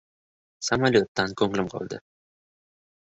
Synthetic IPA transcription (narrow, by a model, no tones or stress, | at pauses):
samalʲjot̪ːankʰɵŋlɪmqʰɒ̰lˠd̪ɪ̰